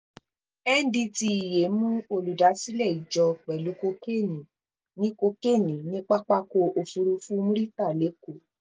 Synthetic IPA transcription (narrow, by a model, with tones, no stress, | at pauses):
ɛ˦n̩˦dĩ˧ti˧i˨je˨˦mũ˦o˧lu˨da˨˦si˦lɛ˦˨i˨d͡ʒɔ˧k͡pɛ˨lu˨˦ko˧˦ke˦˨nĩ˨ | nĩ˦ko˧ke˦˨nĩ˨nĩ˦k͡pa˦k͡pa˦ko˧o˧fu˧ɾu˧fu˦mũ˦ɾi˦ta˦˨le˨˦ko˦˨